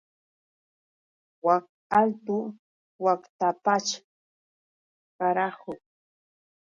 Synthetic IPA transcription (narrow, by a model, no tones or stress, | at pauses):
wak̚ | alt̪ʊ | wakt̪apat͡ʃ | ɢɑɾahʊ